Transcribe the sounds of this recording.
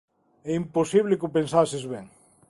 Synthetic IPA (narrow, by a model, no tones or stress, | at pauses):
ɛimposiβ̞lɪkupensasɪzβɛŋ